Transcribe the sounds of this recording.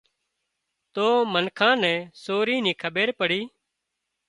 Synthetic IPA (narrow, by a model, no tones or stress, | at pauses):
t̪oːmənkʰãːnɛ̃ːsoːɾiːnĩːkʰəɓeːɾpəɽiː